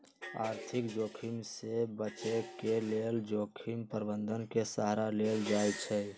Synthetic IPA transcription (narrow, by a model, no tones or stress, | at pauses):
aːɾt̪ʰikd͡ʒokʰimsebət͡ʃekeleld͡ʒokʰimpəɾbənd̪ʱənkesaɦɾaleld͡ʒajt͡ʃʰɛ